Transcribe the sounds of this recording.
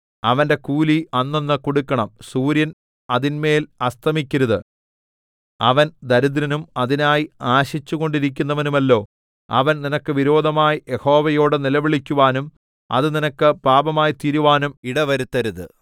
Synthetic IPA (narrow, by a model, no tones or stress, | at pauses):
ɐʋɐnde̞kuːliɐnːo̞nːɨkoɽukːɐɳɐmsuːɾjɐn | ɐðinme̞ːlɐst̪ʰɐmikʲːɐɾuðɨ | ɐ̰ʋɐnd̪ɐɾud̪ɾɐnumɐðinaːjiaːɕit͡ɕːuɣo̞ɳɖiɾik̬ʲːunːɐʋɐnumɐlːo̞ː | ɐ̰ʋɐnninɐkːɨʋiɾo̞ːd̪ʱɐmaːjije̞ho̞ːʋɐjo̞ːɽɨnilɐʋiɭikʲːuʋaːnum | ɐ̰ðɨninɐkːɨpaːbɐmaːjit̪iːɾuʋaːnumiɽɐʋɐɾut̪ːɐɾuðɨ̰